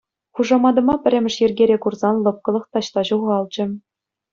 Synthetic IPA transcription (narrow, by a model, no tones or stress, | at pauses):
χuʐɑmɑd̪ɤ̆mɑpʲɘ̆rʲɘ̆mʲɘ̆ʂjɘ̆rʲɡʲeɾʲekurzɑnlˠɤ̆p̚kɤ̆lˠɤ̆χt̪ɑɕt̪ɑʑuʁɑlˠd͡ʑɘ̆